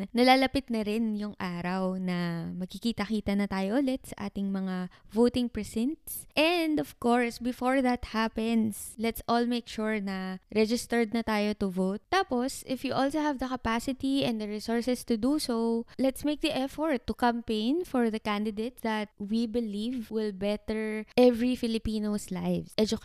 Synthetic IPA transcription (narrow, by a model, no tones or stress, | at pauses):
nɐlaːlɐpɪt̪̚nɐɾɪnjʊŋʔaːɾɐwnɐmɐɡ̚kikiːt̪ɐkiːt̪ɐnɐt̪aːjoʔʊlɛt̪̚sɐʔaːt̪ɪŋmɐŋavoːt̪ɪŋpɹɛsɛnt̪sʔɛnd̪ɔv̥koɹsbɪfoɹðɐt̪hapɛnslɛt̪sʔolmekʃuɹnɐɹɛd͡ʒɪst̪ɛɹd̪̚nɐt̪aːjot̪ʊvowt̪̚ːaːposʔɪfjuʔolsohɐvd̪ɐkɐpasɪt̪iɛ̃nd̪ɐɹɪsɔɹsɛst̪ud̪usolɛt̪smeɪk̚d̪iʔɛfɔɹt̪ːukɐ̃mpẽjnfɔɹðɐkãnd̪ɪd̪et̪̚ðɐt̪̚wibɪlivwɪlbɛt̪ɛɹʔɛvɹifɪlɪpiːnoslajvʔɛd͡ʒʊk